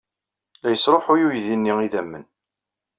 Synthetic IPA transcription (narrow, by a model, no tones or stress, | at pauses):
læjəsɾˤoħʊjujðinːiiðæmːən